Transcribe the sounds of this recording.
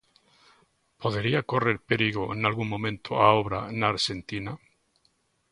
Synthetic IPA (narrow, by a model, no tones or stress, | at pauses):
poðeɾiakoreɾpeɾiɣoenalɣuŋmõ̞mẽnt̪ʰoaoβɾa̰naɾʃe̞nt̪ina